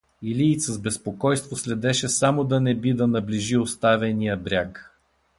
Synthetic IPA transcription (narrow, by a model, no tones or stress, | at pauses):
iliːsəzbɛspokɔjst̪voslɛd̪ɛʃɛsamod̪ɐnɛbid̪ɐnɐbliʒiost̪avɛnijəbɾʲak